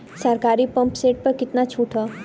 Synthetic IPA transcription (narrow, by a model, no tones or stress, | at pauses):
sɐɾkaːɾipɐ̃mpseːʈ̚pɐɾkɪt̪nat͡ʃʰuːʈʰaː